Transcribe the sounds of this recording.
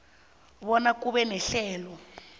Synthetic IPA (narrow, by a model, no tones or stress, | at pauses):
βɔnakuɓɛnɛɬɛːlɔ